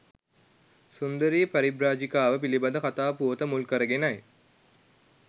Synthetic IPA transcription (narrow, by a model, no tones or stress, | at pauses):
sund̪əɾiːpɐɾibɾaːd͡ʒikaːʋəpilibɐd̪əkat̪aːpuʋət̪əmulkəɾəɡenaj